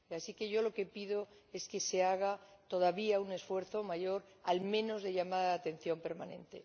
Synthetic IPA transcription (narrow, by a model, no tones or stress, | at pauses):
asike̞ʝo̞lo̞ke̞piðo̞e̞ske̞se̞aɣat̪o̞ð̞aβiaune̞sfwe̞ɾθo̞maʝo̞ɾalmẽ̞no̞zðe̞ʎamaðaaːt̪e̞n̟θjo̞mpe̞ɾmanẽ̞̰nt̪e̞̰